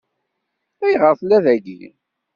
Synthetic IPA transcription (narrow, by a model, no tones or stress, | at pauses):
æjʁəɾθlːæðæɡḭ